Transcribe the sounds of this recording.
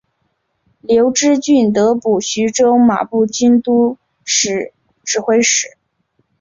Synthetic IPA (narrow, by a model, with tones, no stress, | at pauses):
ljo˧˥ʊʈ͡ʂɻ̩˥t͡ɕy˥˩nt̪ɤ˧˥pu˨˩ɕy˧˥ʈ͡ʂo˥ʊma̰˨˩pu˥˩t͡ɕy˥nt̪u˥ | ʂɻ̩˨˩˦ | ʈ͡ʂɻ̩˥˩xwe˥ɪʂɻ̩˨˩˦